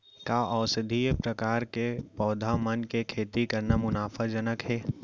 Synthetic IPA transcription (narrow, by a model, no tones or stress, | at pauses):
kaːʔɔːsəd̪ʱiːpɾəkaːɾkepɔːd̪ʱamənkekʰeːt̪ikɐɾnamʊnaːfʰad͡ʒənəkɦɛː